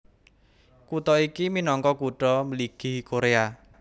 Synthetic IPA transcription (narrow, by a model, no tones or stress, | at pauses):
kut̪ɔikiminɔŋkɔkuʈɔməliɡ̥i̤koɾea